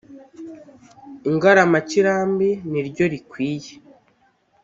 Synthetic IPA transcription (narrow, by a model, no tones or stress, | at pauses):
iŋɡaɾamaciɾaːmbiniɾɟo̞ɾikwiːje